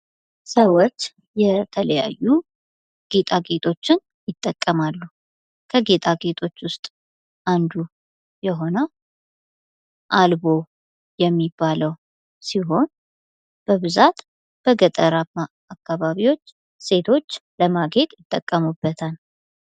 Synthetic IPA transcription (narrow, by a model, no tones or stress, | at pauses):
səwot͡ʃː | jɛt̪ʰələja̰jːu | ɡ̥e̞t̪ʼaɡe̞t̪ʼʰo̞t͡ʃːɪn | jɪt̪ʼːəkʼːəmalːu | kʰəɡe̞t̪ʼaɡe̞t̪ʰʼo̞t͡ʃːwʊst̪ʼ | ʔand̪u | jɛɦo̞nə | ʔalbo̞ | jɛmːibːaləw | siɦo̞n | b̥əβɨzat̪ | b̥əɡət̪ʼəɾamːaːkːaβaβiwo̞t͡ʃː | se̞t̪ʰo̞t͡ʃːləmaɡe̞t̪ʼjɪt̪ʼːəkʼːəmubːət̪ʰal